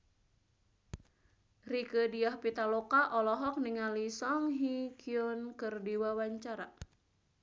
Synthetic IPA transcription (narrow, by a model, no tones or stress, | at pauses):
rikədiahpit̪alokaʔɔlɔɦɔk̚niŋalisɔŋɦikʰionkɨrdiwawaɲt͡ʃaɾa